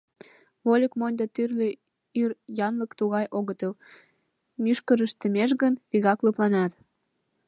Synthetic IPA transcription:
βolʲəkmonʲd̪ət̪yrlʲi | irjɑnləkt̪uɣɑjʔoɣət̪əl | myʃkəɾəʃt̪ə̆meʃɣənpiɣɑkləplɑnɑt̪

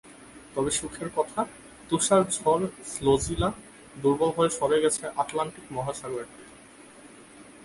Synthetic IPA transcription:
t̪ɔbeʃukʰeɾkɔt̪ʰa | t̪uʃaɾd͡ʑʱɔɾslod͡ʑila | d̪uɾbobʱɔeʃɔɾeɡɛt͡ɕʰeʔaʈlaɳʈikmɔɦaʃaɡoɾeɾt̪i

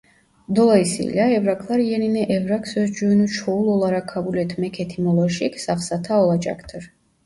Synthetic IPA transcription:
d̪ɔlaisḭlʲaɛvɾakʰlˠaɾjɛninɛʔɛvɾakʰsɛsd͡ʒuɛnut͡ʃʰɔulˠɔlˠaɾakʰːabulɛt̪ʰmɛkʰɛt̪ʰimɔlˠɔʃikʰsaχsat̪ʰaɔlˠad͡ʒa̰kʰt̪ʰəɾ

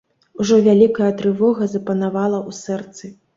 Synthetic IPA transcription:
uʐɔvʲalʲikɐjɐt̪ɾɨvɔɣɐzɐpɐnavalˠɐusɛrt̪sɨ

